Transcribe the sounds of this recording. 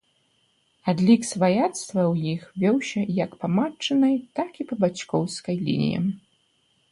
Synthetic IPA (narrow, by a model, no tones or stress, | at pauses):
ad̪lʲiksvajat̪st̪vɐwjixvʲɔwsʲɐjɐkpamat͡ʂːɐnɐjt̪akipɐbat͡ɕkɔwskɐjlʲḭn̰ʲjɐ̰